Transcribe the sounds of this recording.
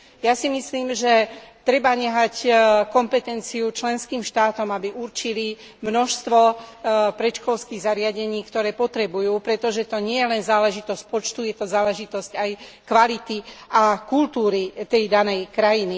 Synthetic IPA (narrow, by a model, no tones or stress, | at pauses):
jasimisliːmʒɛt̪ɾɛbaɲɛɦackɔmpɛt̪ɛnt͡siut͡ʃlɛnskiːmʃt̪aːt̪ɔmabiʔuɾt͡ʃili | mnɔʃst̪ʋɔpɾɛt͡ʃkɔlskiːɣzaɾɪaɟɛɲiːkt̪ɔɾɛːpɔt̪ɾɛbujuːpɾɛt̪ɔʒɛt̪ɔɲɪɛjɛlɛnzaːlɛʒit̪ɔsc̚pɔt͡ʃt̪ujɛt̪ɔzaːlɛʒit̪ɔscaj | kʋalit̪iakult̪uːɾit̪ɛjd̪anɛjkɾajini